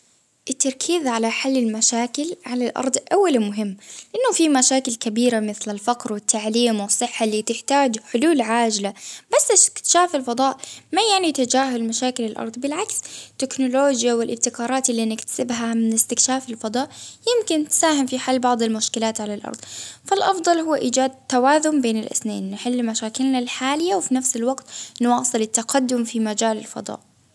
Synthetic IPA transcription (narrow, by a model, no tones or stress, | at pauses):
ʔɪt̪ːɑɾˤkʰiːðʕalaħalːɪlmaʃaːkɪlʕalalʔɑ̰ɾˤd̪ˤʔawːalmʊɦɪmːlɪʔanːʊfimaʃaːkɪlkabiːɾamɪθlɪlfaqɾwɪt̪ːaʕliːmwɨsˤːɨħːalːiːt̪ɪħt̪aːd͡ʒħʊluːlʕaːd͡ʒlabasːɪst̪ɪ̥kt̪ʃaːfɪlfɑd̪ˤɑːʔmajaʕnit̪ad͡ʒaːɦʊlmaʃaːkɪlɪlʔɑ̰ɾˤd̪ˤbɪlʕakst̪ːɪknʊloːd͡ʒjawɪlʔɪb̚t̪ɪkɑːɾˤɑːt̪ɪlːinɪkt̪ḁsɪbɦamɪnɪst̪ɪkʃaːfɪlfɑd̪ˤɑːʔjɪmkɪnt̪saːhɪmfiħalːbɑʕd̪ˤɪlmʊʃkɪlaːt̪ʕalalʔɑ̰ɾˤd̪ˤfalʔɑfd̪ˤɑlhʊwːʔiːd͡ʒaːd̪̚t̪ːawaːzʊmbeːnɪ̰lʔɪ̰snḛːnːɪħɪlːlmaʃaːkɪlnalħaːlɪjːawfinafsɪlwaɡt̪nwɑːsˤɨlɪt̪ːaqad̪ːʊmfimad͡ʒaːlɪlfɑ̰d̪ˤɑ̰ːʔ